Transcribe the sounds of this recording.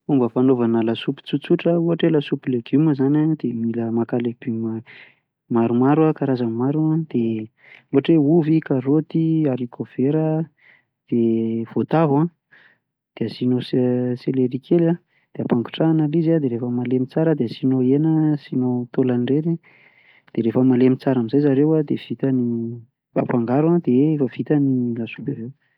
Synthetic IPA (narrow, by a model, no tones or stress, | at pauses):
umbəfanovanalasupi̥t͡sut͡suʈ͡ʂəuɦaʈ͡ʂelasupileɡuməzanad̪emiləmakaleɡ̥ymə | maɾumaɾuakaɾazamaɾuãd̪̥e | oaʈ͡ʂeuvikarot̪iaɾikʰofeɾə | d̪̥ev̥ot̪avã | d̪̥easinosseleɾikʰela | d̪̥eapaŋku̥ʈ͡ʂaːnalizad̪eɾefəmalemit͡saɾəd̪easinoenəsinowt̪olanireɾi | d̪̥eɾefəmalemit͡saɾamizajzaɾewad̪ev̥it̪ani | ba̰paŋɡaɾuad̪̥eefəv̥it̪anilasu̥kavew